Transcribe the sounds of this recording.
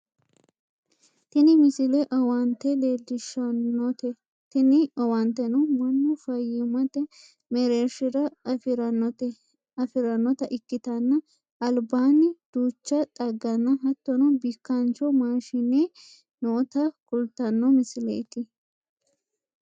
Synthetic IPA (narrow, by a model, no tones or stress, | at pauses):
t̪ɪnɪmɪsɪlɛʔɐwɐnt̪ːɛleːlːɪʃɐnːɔt̪ɛ | t̪ɪnɪɐwɐnt̪ːɛnɔmɐnːʊfɐjɪmɐt̪ɛ | mɛɾeːɾʃɪɾɐfɪɾɐnɔt̪ɛ | ɐfɪɾɐnːɔt̪ɐʔɪkːɪt̪ɐnːɐ | ɐlbaːnɪd̪̥uːt͡ʃːɐt̪ʼɐɡːɐnːɐɦɐt̪ːɔnɔbɪkːɐnt͡ʃɔmaːʃɪne | nɔːt̪ɐkʼʊlt̪ːɐnːɔmɪsɪlɛɪt̪ɪ